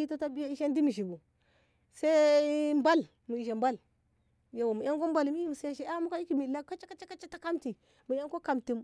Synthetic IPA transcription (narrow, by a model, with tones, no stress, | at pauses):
i˦ta˦ta˦bi˦ja˦i˦ʃa˦ndi˦mi˨ʃ̬i˨bu˨ | sa˦mba˦l | mu˨i˨ʃe˨mba˦˨l | ja˨wa˨mu˨ja˦ŋko˦m˦ba˦lmi˦i˦m˨sa˦ja˦ʃe˦a˦mu˦ka˦i˦ki˦mi˨la˦ka˦t͡ʃa˦ka˦t͡ʃa˦ka˦t͡ʃa˦ta˦ka˦mti˨ | mu˨ja˦ko˦ka˨mti˦m